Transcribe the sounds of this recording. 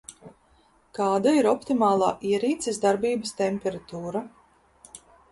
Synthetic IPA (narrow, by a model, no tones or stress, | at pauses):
kɑːd̪aiɾɔpt̪imɑːlˠɑːʔiɛɾiːt̪sɛsd̪aɾbiːbəst̪ɛmʲpʲɛɾat̪uːɾa